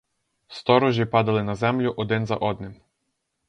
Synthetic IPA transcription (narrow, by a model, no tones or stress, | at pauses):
st̪ɔɾɔʒʲipɑd̪ɐlˠɪnɐzɛmlʲʊʔɔd̪ɪnzɐ̰ʔɔd̪nɪm